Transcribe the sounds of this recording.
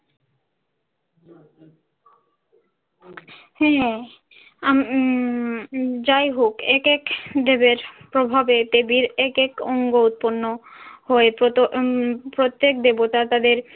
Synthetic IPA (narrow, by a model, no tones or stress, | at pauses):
hɛ | am | d͡ʑajɦokekekd̪ebeɾpɾobʱabet̪ebiɾekekɔŋɡout̪̚ponːohoepoopɾot̪ːek̚d̪ebot̪at̪ad̪eɾ